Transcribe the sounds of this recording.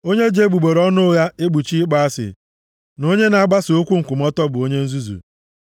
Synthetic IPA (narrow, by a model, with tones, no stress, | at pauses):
o˦ɲe˦d͡ʒe˦ɡ͡bu˨ɡ͡be˨ɾɔ˦nʊ˦ja˦e˦ɡ͡bu˨t͡ʃi˦ɡ͡ba˦a˦sɪ̰˨ | no˦ɲe˦na˨a˦ɡ͡ba˦so˦kʷu˦ŋ̩˨kʷʊ˨m̩˦ɔ˦tɔ˦bʊ˨o˦ɲe˦n̩˦zu˦zṵ˨